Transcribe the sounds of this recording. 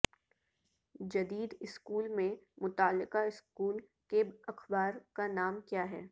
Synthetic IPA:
d͡ʒɐd̪iːd̪ɪskuːlmẽmʊt̪aːlːɪqaɪskuːl | kebɐxbaːɾkanaːmkjaːɦɛː

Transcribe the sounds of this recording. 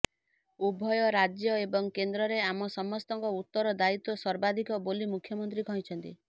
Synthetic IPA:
ubʱɔjɔɾad͡ʒjɔebɔŋkend̪ɾɔɾeamɔsɔmɔst̪ɔŋkɔut̪ːɔɾɔd̪ait̪ɔsɔɾbad̪ʱikɔbolimukʰjɔmɔnt̪ɾikʰɔɦĩt͡ʃʰɔnt̪i

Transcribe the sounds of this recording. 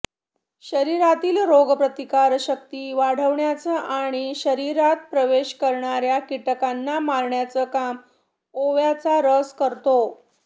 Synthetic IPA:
ɕəɾiɾat̪iːlɾoɡəpɾət̪ikaɾɕək̚t̪iːʋaɽ̤əʋɳjat͡səʔaɽ̃iɕəɾiɾat̪̚pɾəʋeɕkəɾɳaɾjakiʈəkanːamaɾɳjat͡səkam | oʋjat͡saɾəskəɾt̪o

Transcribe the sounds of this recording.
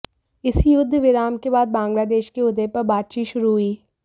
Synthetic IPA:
ɪsjʊd̪ʱːʋɪɾaːmkebaːd̪̚bãːŋɡlaːd̪eːʃkeʊd̪epɐɾbaːt̪̚t͡ʃiːt̪ʃʊɾuɦʊiː

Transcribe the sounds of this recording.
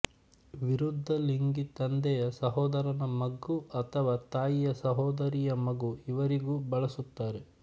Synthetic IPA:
ʋiɾud̪ʱːɐliŋɡit̪ɐnd̪ɛjɐsɐɦɔːd̪ɐɾɐnɐmɐɡːuʔɐt̪ʰɐʋaːt̪aːjijɐsɐɦɔːd̪ɐɾijɐmɐɡuiʋɐɾiɡuːbɐɭɐsut̪ːaːɾe̞

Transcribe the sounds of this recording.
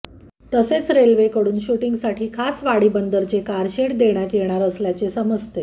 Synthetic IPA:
t̪əset͡sɾelʋekəɽuːnɕuʈiŋɡsaʈʰiːkʰasʋaɽiːbənd̪əɾt͡sekaɾɕeʈd̪eɳ̃jat̪jeɽ̃aɾəsljat͡ɕesəməd͡zt̪e

